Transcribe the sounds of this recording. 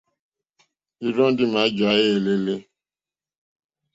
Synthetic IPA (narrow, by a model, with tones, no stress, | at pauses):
i˨ɾɔ˦n˦dɪ˦ma˨˦d͡ʒa˨˦je˦˨le˦le˦